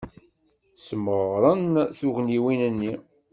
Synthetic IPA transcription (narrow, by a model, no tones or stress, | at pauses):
səməʁɾˤənθuʝniwinənːi